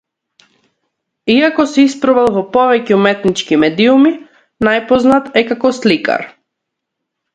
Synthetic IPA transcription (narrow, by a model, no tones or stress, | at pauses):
iakɔsɛispɾɔvalˠvɔpɔvɛcɛumɛt̪nit͡ʃkimɛd̪iumi | najpɔznat̪ɛkakɔslika̰ɾ